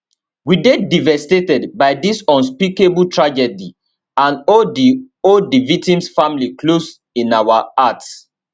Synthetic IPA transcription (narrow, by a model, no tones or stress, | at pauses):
widedivɛstetɛdbaɪdisɔ̃nspikebutɹad͡ʒɛdi | ãnɔdi | oldivik̚tĩmsfãmliklos | ĩnawaat